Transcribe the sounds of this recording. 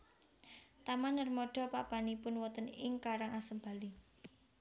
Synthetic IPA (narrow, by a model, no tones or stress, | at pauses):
t̪amanːərmɔɖ̥ɔ̤papanipʊnwɔt̪ənɪŋkaɾaŋasəmba̤li